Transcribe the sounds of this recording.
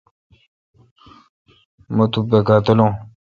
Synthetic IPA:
mət̪ubekat̪əlõ

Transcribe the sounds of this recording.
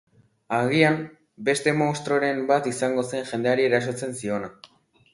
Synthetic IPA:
aɣ̞iam | be̞st̪e̞mowst̪ɾo̞ɾe̞mbat̪isaŋɡo̞se̞ŋʝe̞nd̪e̞aɾieɾasot͡se̞nsio̞na

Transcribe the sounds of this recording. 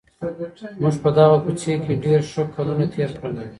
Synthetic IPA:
muʒpəd̪ɑɣakut͡ʃekeɖeɾʃəkʰalunat̪ʰeɾkəɾd̪ai

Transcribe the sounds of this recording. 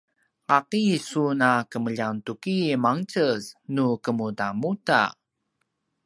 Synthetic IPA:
ʔaqisunakəməʎantukimaŋt͡səsnukəmutamuta̰

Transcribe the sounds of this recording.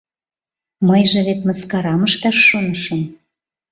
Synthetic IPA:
məjʒĕβet̪məskɑɾɑməʃt̪ɑʃːonəʃəm

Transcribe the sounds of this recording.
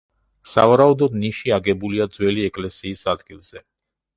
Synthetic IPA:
sa̰vaɾaud̪ɔd̪niʃiaɡɛbuliad̪zwɛliɛkʼlɛsiːsad̪ɡilˠz̥ɛ

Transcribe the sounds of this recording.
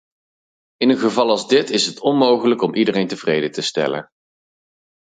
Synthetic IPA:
ɪnənχəvɑlˠɑlˠzdɪtɪsɦətʰɔnmowχələkɔmʔidərejntəvrejdətəstɛ̰lə̰n

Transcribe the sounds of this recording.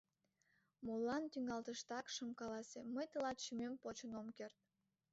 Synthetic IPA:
molːɑnt̪yŋɡɑlt̪əʃt̪ɑkʃə̆mkɑlɑsʲeməjt̪əlɑt̪ʃymempot͡ɕənomkert̪̚

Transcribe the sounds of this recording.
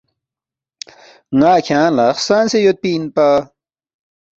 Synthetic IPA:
naːkʰãːnlaxsãːnsejot̪̚piːnpa

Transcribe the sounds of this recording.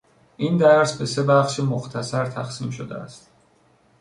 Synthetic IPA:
ʔind̪æɾsbesebæχʃimoxt̪ʰæsæɾt̪ʰæxsiːmʃod̪ḛæ̰st̪

